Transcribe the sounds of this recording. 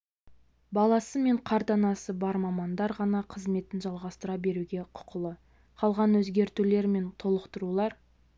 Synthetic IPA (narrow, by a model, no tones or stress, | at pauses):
bɑlˠɑsəme̞ɴqʰɑɾt̪ɑnɑsəbɑɾmɑmɑnd̪ɑɾʁɑnɑqʰəzme̞t̪ɪnʒɑlˠʁɑst̪əɾɑbe̞ɾuɡʲe̞qʰʊ̥qʰəlˠə | qʰɑlˠʁɑnwɵzɡʲe̞ɾt̪ule̞ɾme̞nt̪ʰo̞lˠəqt̪əɾulˠɑɾ